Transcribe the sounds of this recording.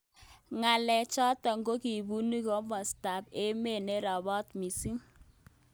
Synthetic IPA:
ŋa˨lɛ˨t͡ʃɔ˦tɔ˨ŋɡo˦ki˨bu˦ni˦kɔ˦mɔ˨sta˨pe˦me˦˨ne˦ɾɔ˨bɔ˦tmi˨si˦ŋ

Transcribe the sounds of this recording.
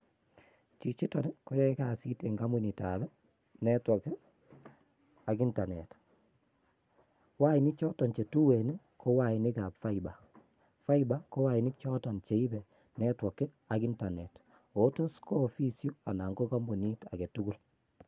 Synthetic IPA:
t͡ʃi˨t͡ʃi˦tɔ˨nko˦jɛ˦ka˨si˦te˨ŋɡa˦mu˦˨ni˨ta˨bɛ˦ | nɛ˦twɔ˨ke˦ | a˨ɡi˦nta˨ne˨t | wa˦i˨nɪ˦k̚t͡ʃɔ˦tɔ˨nt͡ʃe˨tu˦we˨ne˦ | kʰo˦wa˨i˨nɪ˦ka˨pfa˦i˨ba˨ | fa˦i˦ba˦ko˦wa˨i˨nɪ˦k̚t͡ʃɔ˦tɔ˨nt͡ʃe˨i˦bɛ˨ | nɛ˦twɔ˨kːɪ˦ | a˨ki˦nta˨ne˨t | o˨˦to˦sko˦˨fi˦sju˦a̰˨na˨ŋɡo˦ka˦mbo˨ni˦ta̰˨ke˨tu˦ɡu˦l

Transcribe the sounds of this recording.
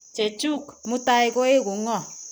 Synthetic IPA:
t͡ʃe˨t͡ʃu˦kmu˦ta˦ɪ˦ko˦e˦ku˨ŋɔ˦˨

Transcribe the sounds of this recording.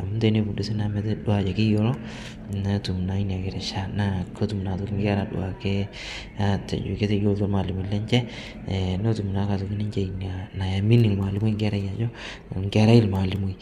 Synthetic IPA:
a˨mu˦te˨˦ne˦bu˨du˨˦si˦na˦mɛ˨tɛ˦dwa˨t͡ʃɛ˨kɪ˦jo˦lɔ˦ | na˦tu˨m˨na˦i˦ni˨a˨ke˨ɾɛ˨ʃa˦na˦ko˦tu˨m˨na˨to˨˦kɪ˦ŋɡɛ˦ɾa˨dʊ̰˦a˨ke˦ | a˦tɛ̰˨d͡ʒo˨ke˦te˨jo˦lto˦lma˨li˨mu˨lɛ˦ɲt͡ʃɛ˦˨ | no˦tu˨mu˨na˨˦ka˨to˨kɪ˦nɪ˦ɲt͡ʃe˦i˨na˨na˨ja˨mi˦ni˨lma˨lɪ˦mu˦i˦ŋɡɛ˦ɾa˦ja˨t͡ʃɔ˦ | ŋɡɛ˦ɾa˦ɪ˦lma˨li˨mu˨j

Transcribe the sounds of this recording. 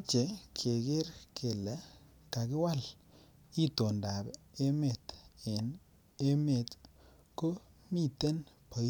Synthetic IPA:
t͡ʃe˨kʰe˨ɡɪ˦ɾkʰe˨la˨ | ka˨kɪ˦wa˦l | i˦t̪o˨nda˨bɛ˨e˦me˨t̪ɪ˨n | e˦me˨t̪ | ko˦mi˦t̪e˦n | po˨˦

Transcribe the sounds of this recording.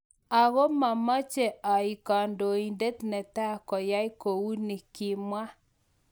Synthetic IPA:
a˨ɣo˦ma˨ma˦t͡ʃɛ˨a˨i˨ka˨ndo˨i˨nde˦t̪nɛ˨ta˦˨kɔ˨ja˦i˦ko˨wu˦ni˨kɪ˨mwa˦

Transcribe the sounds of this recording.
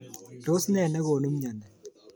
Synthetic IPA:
to˦snɛ˨nɛ˦koːnu˦mɲa˨nɛ˨

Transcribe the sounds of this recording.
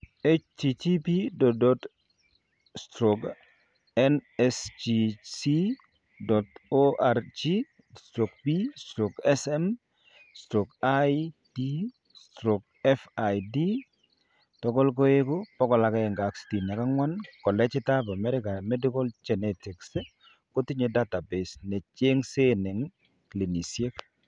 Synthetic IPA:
e˦t͡ʃti˨t͡ʃi˦pi˦dɔ˨dɔ˦t | stɾo˨k | ɛ˦nɛst͡ʃi˨si˦ | dɔ˨to˦ʔa˨rt͡ʃi˦ | stɾo˨k̚pi˦stɾo˨kɛ˦sɛ˦m | stɾo˨kajdi˦ | stɾo˨k | ɛfa˨jdi˦ | tɔ˦kɔ˦lk̬o˦e˦ko˦pɔ˦kɔ˨la˨kɛ˦ɛ˨ŋɡa˨ksti˨na˨ka˦ŋwa˦nkɔ˨lɛ˦t͡ʃɪ˦ta˦ba˨mɛ˦ɾɪ˦ka˨mɛ˦di˦kɔ˦ld͡ʒɛ˨nɛti˨ks | ko˦ti˦ɲe˨da˦ta˨be˨snɛ˨t͡ʃe˦ŋse˦nɛ˨ŋ | kli˨ni˨sje˦k

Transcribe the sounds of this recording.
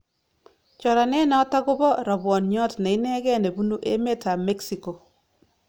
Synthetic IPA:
t͡ʃɔ˨ɾa˨nɛ˦na˨˦ta˦kʊ˦bɔ˦ɾɔ˨bwɔ˨nɲɔ˦tnɛ˨i˦nɛ˦ɡɛ˦˨ne˨bu˦nu˦ʔe˦me˦ta˨mɛ˦ksi˨ko˨

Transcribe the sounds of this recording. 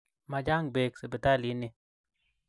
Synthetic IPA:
ma˨d͡ʒa˦ŋbe˨ksi˨bi˨ta˦˨li˨˦nɪ˨

